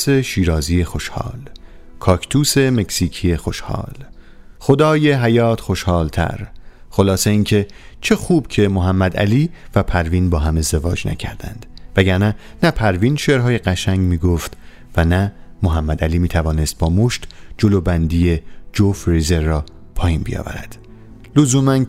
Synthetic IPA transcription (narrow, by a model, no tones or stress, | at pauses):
seʃiːɾɒːziːjexo̞ʃhɒ̰ːl | kʰɒːkʰt̪ʰuːse̞me̞ksiːcʰije̞xo̞ʃhɒ̰ːl | xo̞d̪ɒːje̞ɦæjɒːt̪ʰxo̞ʃhɒːlt̪ʰæ̰ɾxo̞lɒːse̞iːncʰe̞ | t͡ʃʰe̞xuːb̥cʰe̞moɦæmːæd̪æ̰liːvæpʰæɾviːnbɒːɦæme̞zd̪e̞vɒ̰ːd͡ʒnæ̰cʰæ̰ɾd̪æ̰nd̪̥væɟæɾnæ | næpʰæɾviːnʃeʔɾɦɒːjeɢæʃæŋɟmiːɡoft̪ | vænæmoɦæmːæd̪æliːmiːt̪ʰævɒːne̞st̪̚bɒːmoʃt̪d͡ʒolobænd̪ije̞d͡ʒofɾezeɾːɒː | pʰɒːjiːnbḭjɒ̰ːvæ̰ɾæ̰d̪̥ | lozuːmæn